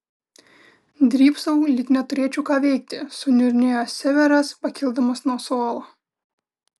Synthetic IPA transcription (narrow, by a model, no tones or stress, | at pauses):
d̪ʲɾʲiːpsɐʊlʲɪknʲɛt̪ʊɾʲeɛt͡ʃʲuːkɑːʋʲɛɪk̚t̪ʲɪsʊnʲʊɾʲnʲeːjoːsʲsʲæʋʲɛɾɐspɐkʲɪlˠd̪ɐmɐsnuɔsoːlˠoː